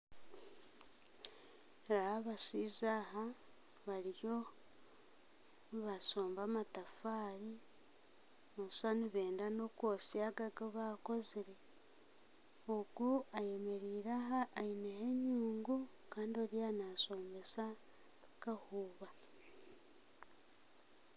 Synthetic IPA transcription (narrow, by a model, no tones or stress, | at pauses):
ɾaaβasizaɦa | βalijo̞ | nβaso̞ːmbamatafaːɾi | βosaniβe̞ːndano̞kwosiaɡaɡaβako̞ziɾe̞ | oɡuaje̞me̞ɾiːɾaɦaʔːineheɲuːŋɡu | kaːndio̞ɾianaso̞ːmbe̞sa | kahuːβa